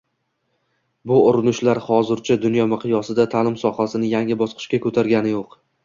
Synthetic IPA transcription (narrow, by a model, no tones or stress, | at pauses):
bʊʊɾɪnʊʃlaɾχɒzɪɾt͡ʃʰad̪ʊnjɒmɪqʰɨjɒsɪd̪at̪ʰalɪmsɒhasɪnɪjaŋʲɪbɒsqʰɨ̥ʃkʲakʰɵt̪ʰaɾɡʲanɪjoq